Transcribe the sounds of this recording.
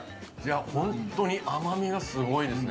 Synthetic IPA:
d͡ʑaaːhõ̞nt̪o̞ɲ̟iʔamamʲiɡasɨɡo̞id̪e̞sɨ

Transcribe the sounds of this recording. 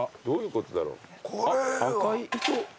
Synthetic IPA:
d̪̥oːjɯ̟ːko̞t̪od̪aɾo̰ː | akaiiɕo

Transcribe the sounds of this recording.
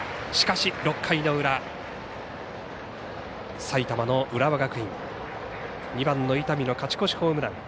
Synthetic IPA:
ɕi̥kaɕiɾo̞kʰːaino̞ɯ̟ɾa | sait̪amanoʔɯ̟ɾaβaɡakɯ̟ĩŋ | ɲ̟ibãnːo̞it̪amʲino̞kat͡ɕi̥ko̞ɕi̥ho̞ːmɯnã̰ŋ

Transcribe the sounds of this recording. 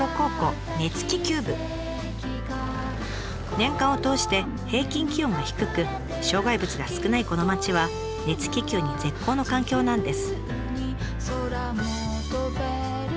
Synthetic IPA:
oko̞ːko̞ | ne̞t͡sɨ̥kʲikʲɨːbɯ̟ | nẽ̞ŋkãɰ̃o̞t̪o̞ːɕi̥t̪e̞ | he̞ːkʲĩŋkʲiõ̞ŋɡaçi̥kɯ̟kɯ̟ | ɕo̞ːɡaibɯ̟t͡sɨɡasɨ̥kɯ̟naiko̞no̞mat͡ɕiβa | ne̞t͡sɨ̥kʲikʲɨːɲ̟id͡ze̞kːoːno̞kãŋkʲo̞ːnãnd̪e̞sɨ̥

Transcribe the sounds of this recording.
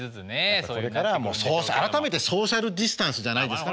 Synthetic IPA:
nsoɾe̞kaɾamo̞ːsoːaɾat̪ame̞t̪e̞so̞ːɕaɾɯ̟d̪ʲisɨ̥t̪ãɰ̃sɨʑanaid̪e̞sɨ̥ka

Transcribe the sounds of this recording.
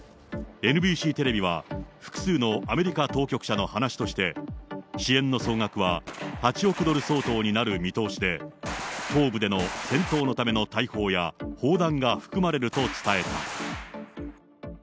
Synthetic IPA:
e̞nɯ̟bʲiːɕiːt̪e̞ɾe̞bʲiβ̞aɸɯ̥kɯ̥sɨːno̞ʔame̞ɾʲikat̪o̞ːkʲo̞kɯ̟̥ɕano̞hanaɕi̥t̪o̞ɕi̥t̪e̞ɕiẽ̞nːo̞so̞ːŋakɯ̟βahat͡ɕio̞kɯ̟d̪o̞ɾɯ̟so̞ːt̪o̞ːɲ̟inaɾɯ̟mʲit̪o̞ːɕid̪e̞ | t̪o̞ːbɯ̟d̪e̞no̞sẽ̞nt̪o̞ːno̞t̪ame̞no̞t̪aiho̞ːjaho̞ːd̪ãŋɡaɸɯ̟̥kɯ̟maɾe̞ɾɯ̟t̪o̞t͡sɨ̥t̪ae̞t̪a̰

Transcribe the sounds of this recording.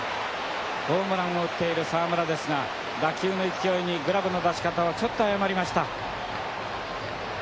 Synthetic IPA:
b̥o̞ːmɯ̟ɾãmːo̞ɯ̟t̪ːe̞iɾɯ̟saːmɯ̟ɾad̪e̞sɨŋa | d̪akʲɨːno̞ikʲijo̞iɲ̟iɡɯ̟ɾabɯ̟no̞d̪aɕi̥kat̪aβat͡ɕo̞t̪ːo̞ajamaɾʲimaɕi̥t̪a

